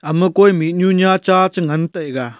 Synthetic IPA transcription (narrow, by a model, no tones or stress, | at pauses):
ɐmɯkojmit̚ɲuɲat͡ʃat͡ʃɯŋɐntɐjɡa